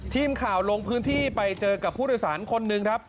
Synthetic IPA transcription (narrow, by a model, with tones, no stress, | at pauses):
t̪ʰiː˧mkʰaː˨˩wlo˧ŋpʰɯː˦˥nt̪ʰiː˥˩pa˧jt͡ɕɤː˧ka˨˩pʰːuː˥˩ɾɔː˥˨˩jsa̰ː˩˦nkʰo˧nːɯ˧ŋkʰɾa˦˥p̚